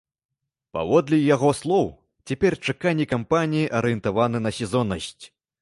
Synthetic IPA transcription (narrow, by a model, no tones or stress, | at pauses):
pa̰vɔd̪lʲijaɣɔslˠɔw | t͡sʲɛpʲɛrt͡ʂakanʲːikampanʲijiʔɐɾɨjɛnt̪avanɨnɐsʲɛzɔnɐsʲt͡sʲ